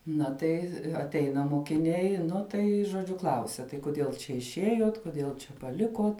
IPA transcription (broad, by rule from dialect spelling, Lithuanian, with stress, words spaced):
ˈnɐ tɐɪ ɐtʲˈɛɪnɐ moːkʲɪˈnʲɛɪ ˈnʊ tɐɪ ʒoːˈd͡ʒʲʊ ˈklˠɐʊsʲɛ tɐɪ kʊˈdʲiɛlˠ t͡ʃʲɛ ɪʃʲˈiɛjuɔt kʊˈdʲiɛlˠ t͡ʃʲɛ pɐˈlʲɪkuɔt